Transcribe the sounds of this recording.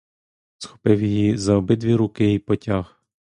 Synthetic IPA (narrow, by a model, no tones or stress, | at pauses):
sxɔ̥pɪwjjizɐɔbɪd̪ʋʲiɾukɪjijpɔtʲax